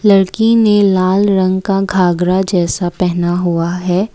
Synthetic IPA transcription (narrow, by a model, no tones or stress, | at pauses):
lɐɾkinelaːlɾɐ̃ŋɡkaɡʱaːɡɾad͡ʒɛːsapɛɦnaɦuaɦɛː